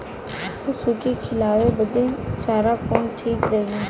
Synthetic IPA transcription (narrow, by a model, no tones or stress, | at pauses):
t̪ʊsuːʈikʰɪlaːjoːbəd̪ẽːt͡ʃaːɾaːkoːnʈʰiːkɾəɦiːɛː